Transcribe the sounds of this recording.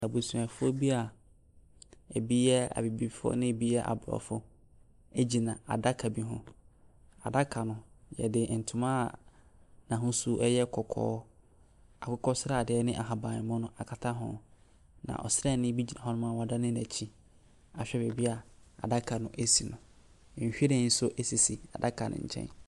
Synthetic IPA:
a˨bo˨su˨ã˨fʊ˦o˦bi˦a˨ | æ˨bi˦jɛ˦a̰˨bi˨bi˨fʊ˦ɔ̰˦nɪ̃˦˨bi˦jɛ˦ʔa̰˨bɾɔ̰˨fʊ˦ | e˦d͡ʑi˨nã˨a̰˨da˦kʰa˨bi˦ɦʊ̰̃˦ | a˨da˦kʰa˨nʊ̃˨jɛ̰˨dɪ˨n̩˨tʰʊ̃˨mã˦˨ | nã˨ɦʊ̃˦su˦ʔɛ˦jɛ˦kʰɔ˨kʰɔ̰ː˦ | a˨kʊ˦kʰɔ˦sɾa˦˨dɪ˨˦ɛ˦nɪ̃˦ʔa˨ɦa˨bãː˨n˨mʊ̃˦nʊ̃˦a˨kʰa˨tʰa˦ɦʊ̰̃˨ | nã̰˨ʔɔ̰˨sɪ˦ɾɛ˦˨nɪ̃˦bi˦d͡ʑi˨nã˨ɦɔ˦nʊ̃˦mã˦˨wa˨da˦nɪ̃˦næ˨t͡ɕʰi˦ | a˨ɕᶣɛ˦be˨bi˦a˨a̰˨da˦kʰa˨nʊ̃˦ʔe˦si˨nʊ̃˨ | ɕᶣi˦ɾɪ̃˦˨n̩˦sʊ˦ʔe˦si˨si˨a̰˨da˦kʰa˨nʊ̰̃˨ɲ̩̰˨t͡ɕʰɛ̰̃˦n

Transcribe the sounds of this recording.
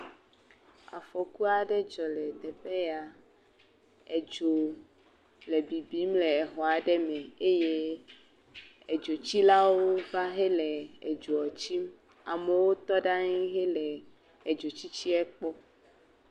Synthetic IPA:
a̰˨fɔ˨ku˦a˨ɖɛ˦d͡ʒɔ˨lɛ˨d̪ɛ˨ɸe˦ja˨ | e˨d͡ʒo˨ | le˨bi˨bi˦mle˨e˨xɔ˨a˨ɖɛ˦mɛ̃˨e˦je˦ | e˨d͡ʒo˨t͡ɕi˦la˦woo˦va˦ɦe˦lɛ˨e˨d͡ʒo˨ɔ˨t͡ɕi˦m | a˨me˨wo˦t̪ɔ˦ɖa˦ɲi˦ɦe˦lɛ˨ | e˨d͡ʒo˨t͡ɕi˦t͡ɕi˦ɛ˦k͡pɔ˦

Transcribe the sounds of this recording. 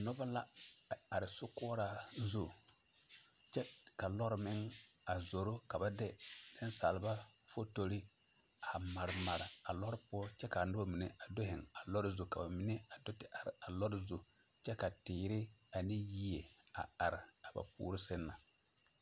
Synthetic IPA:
nɔ˦ba˦la˦˨ | a˨ɾɪ˨sʊ˦kɔː˦ɾa˨zu˨ | t͡ʃɛ˦ | ka˨lɔ˦ɾɪ˦mɪ˦ŋ | a˨zo˨ɾo˦ka˨ba˦dɛ˦dɪ˦n˦sa˨lɪ˨ba˦ | fo˦to˨ɾɪ˦ | a˨ma˨ɾɪ˨ma˨ɾa˨a˨lɔ˦ɾɪ˦pʊ˦ɔ˦t͡ʃɛ˦ka˨nɔ˦ba˦mi˨ne˦a˨do˦ɦɪ˨ŋa˨lɔ˦ɾɪ˦zu˨ka˨ba˨mi˨˦ne˦a˨do˦tɪ˦a˨ɾɪ˨a˨lɔ˦ɾɪ˦zu˨ | t͡ʃɛ˦ka˨tɪː˨ɾɪ˦ | a˨nɪ˦ji˦e˨ | a̰˨a˨ɾɪ˨ | a˨ba̰˨pṵː˨ɾɪ˦sɪ˦nːa˨

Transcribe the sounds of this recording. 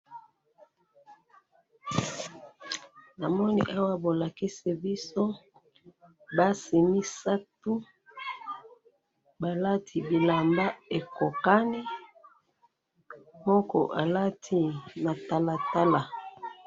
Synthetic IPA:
na˨mɔ˦nḭ˨ʔa˦wa˦bo˨la˨ki˦si˨bi˦so˦ | ba˦si˨mi˦sa˦tu˦ | ba˨la˦tʰi˨bi˨la˨mba˦e˨ko˨ka˦ni˦ | mɔ˦kɔ̰˨ʔa˨la˦tʰi˨na˨ta˨la˨ta˦la˨

